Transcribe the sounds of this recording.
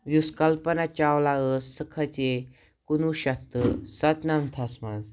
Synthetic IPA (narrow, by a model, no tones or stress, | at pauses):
ʋuskalpənat͡ɕawlaəsːəkʰat͡se | kunuɕat̪əsat̪nant̪ʰasma̰z